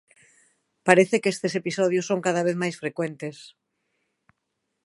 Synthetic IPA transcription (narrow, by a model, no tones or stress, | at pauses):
paɾeθekest̪esepisɔðjʊsːoŋkaðaβ̞eθmajsfɾekwent̪es